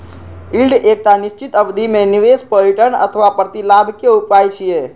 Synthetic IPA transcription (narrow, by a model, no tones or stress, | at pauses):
ilɖek̚t̪anɪʃt͡ʃit̪əʋd̪ʱimẽniʋespəɾiʈəɳə̰t̪ʰəʋapɾət̪ilabʱkjeupajt͡ʃʰie